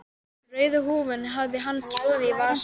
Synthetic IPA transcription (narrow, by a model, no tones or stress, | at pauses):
rœːɥðʏɦuːvɪnɦavðɪɦanːt̪ʰɾɔːðɪvaːs